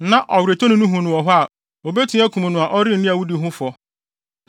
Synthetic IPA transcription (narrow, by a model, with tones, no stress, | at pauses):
nã˦ʔɔ˨wɾe˨tʰo˦nʊ̃˦nʊ̃˦ɦũ˨nʊ̃˨wɔ˨ɦʊ˦a˨ | o˨be˦tʰũ˦æ˦kʰu˨mũ˨nʊ̃˨a˨ʔɔ˦ɾɪ˦n̩˨nĩ˦a˨wu˦di˨ɦʊ̃˦fɔ˦